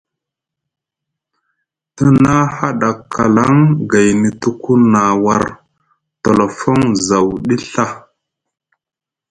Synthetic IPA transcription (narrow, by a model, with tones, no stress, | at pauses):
tə˦na˦ha˦ɗa˨kʰːa˨la˦ŋɡa˨jni˨tu˦ku˦na˨wa˨ɾ | to˨lo˨fo˦ŋza˨wɗi˦ɬa˦